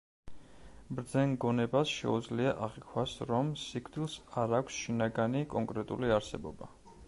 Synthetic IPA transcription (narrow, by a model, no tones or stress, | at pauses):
bɾd̪zɛŋɡɔnɛbasʃɛ̰ud̪zliaʔaʁikʰwasɾɔmsikʰd̪ilˠsaɾakʷʰsʃinaɡanikʼɔŋkʼɾɛt̪ʼṵliaɾsɛ̰bɔba